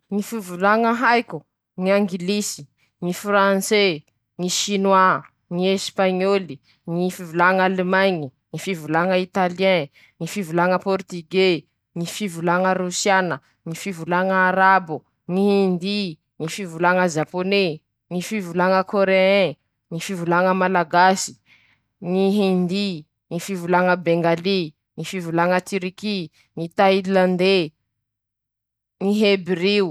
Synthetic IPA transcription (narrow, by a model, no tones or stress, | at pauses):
ŋifivulaŋəɦajku | ŋiaŋɡilisi̥ | ŋifrãnse | ŋiʃinwa | ŋiespaɲoli | ŋifivulaŋalemajɲiŋifivulaŋəit̪aliɛ̃ | ŋifivulaŋəpɔrt̪iɡe | ŋifivulaŋəɾusianə | ŋifivulaŋəːɾabu | ŋihind̪i | nifivulaŋəzapone | nifivulaŋəkoɾeɛ̃ | ŋifivulaŋəmalaɡasi̥ | niɦind̪i | nifivulaŋəbeŋɡali | ŋifivulaŋət̪iɾiki | nit̪ailland̪e | niɦebɾiu